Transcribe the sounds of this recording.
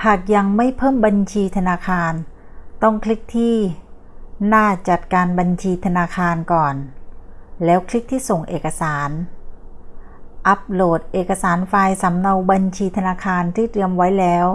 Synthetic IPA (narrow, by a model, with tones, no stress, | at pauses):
hʰaː˨˩k̚ja˧ŋma˥˩jpʰɤː˥˩mba˧nt͡ɕʰiː˧t̪ʰa˧naː˧kʰaː˧n | t̪ɔ˥˩ŋkʰli˦˥k̚t̪ʰiː˥˩ | naː˥˩t͡ɕa˨˩t̪̚kaː˧nba˧nt͡ɕʰiː˧t̪ʰa˧naː˧kʰaː˧nkɔː˨˩n | lɛː˦˥wkʰli˦˥k̚t̪ʰiː˥˩so˨˩ŋʔeː˨˩ka˧saː˩˦n | ʔa˦˥p̚loː˨˩t̪̚ʔeː˨˩ka˧saː˩˦nfaː˧jsa˩˦mna˧wba˧nt͡ɕʰiː˧t̪ʰa˧naː˧kʰaː˧nt̪ʰiː˥˩t̪ɯ˧əmwa˦˥jlɛː˦˥w